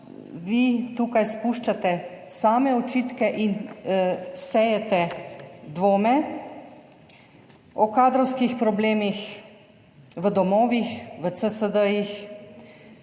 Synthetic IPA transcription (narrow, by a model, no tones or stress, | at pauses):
ʋit̪uːkajspuːʃt͡ʃat̪ɛsaːmɛɔt͡ʃiːt̪kɛʔin | sɛjɛt̪ɛd̪ʋoːmɛ | ɔkaːd̪ɾɔwskixpɾɔbleːmix | ʋəd̪ɔmɔːʋixʋət̪səsəd̪əjix